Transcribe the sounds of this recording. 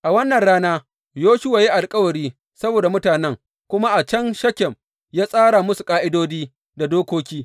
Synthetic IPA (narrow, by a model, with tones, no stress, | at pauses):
ʔa˨wɐ˦nːɐ˨nɽaː˦naː˦ | joː˦ʃʊ˦wa˨ji˦ʔa˨lkʼɐ˦wɐ˨ɾiː˦ | sɐ˦boː˨da˨mʊ˦taː˨nɛ˦ŋ | kʷʊ˦ma˦ʔa˨t͡ʃɐ˦nʃɐ˦kʲɛ˨m | jaː˦sʼaː˦ɽa˨mʊ˦su˨kʼaː˦ʔɪ˦doː˦diː˦ | da˨doː˦kʷoː˦kʲiː˦